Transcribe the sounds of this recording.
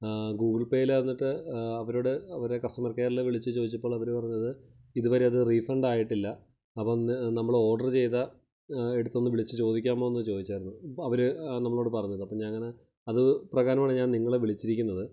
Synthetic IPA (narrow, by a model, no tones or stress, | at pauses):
ɡuːɡɭpe̞ːjilɐnːiʈːɨɐʋɐɾo̞ːɽɨɐʋɐɾekɐsʈɐmɐrkejɐlːɐʋiɭit͡ɕːɨt͡ɕoːd̪it͡ɕːɐpːo̞ːɭɐʋɐɾupɐrɐɲːɐðɨ | iðuʋɐɾeɐðɨrifrɐɳɖaːjiʈːilːɐ | ɐpːomnɐmːɐɭo̞ːrɖɐrt͡ɕe̞jt̪ɐ | eɽut̪ːo̞nːɨʋiɭit͡ɕːɨt͡ɕo̞ːd̪ikʲːaːmo̞ːenːɨt͡ɕo̞ːd̪it͡ɕːaːjɾunːuɐʋɐɾɨnɐmːɐɭoɽɨpɐrɐɲːɐðɨɐpːoɲaːnɐŋːɐne̞ | ɐðɨprɐɣaːɾɐmaːɳeɲaːnniŋːɐɭeʋiɭit͡ɕːiɾikʲːunːɐðɨ